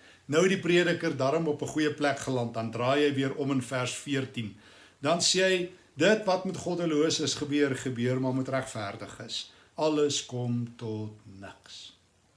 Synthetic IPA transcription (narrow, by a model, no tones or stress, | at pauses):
nəwdipriədəkərdɑɾɔmɔpəχujəplækχəlɐnt̚dɐndrɑːjɛjviəɾɔmənfærsfiərtin | dɐnsiɛj | dətvɐtmutχɔdəluəsəsχəbyərχəbyərmɑrmutræχfærdəχəs | ɐləskɔmtɔtnəks